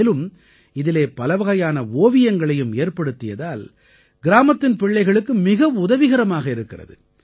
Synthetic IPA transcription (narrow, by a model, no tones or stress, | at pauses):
lɯm | ɪðɪleːpɐlɐʋɐɣɐjaːnɐoːʋɪjɐŋɡɐɭɐjɯmeːrpɐɽɯt̪ːɪjɐðaːl | ɡɪɾaːmɐt̪ːɪnpɪɭːɐɪɣɐɭɯkːɯmɪɣɐʋʊðɐʋɪɣɐɾɐmaːɣɐɪɾɯkːɪrɐ̰ðɯ̰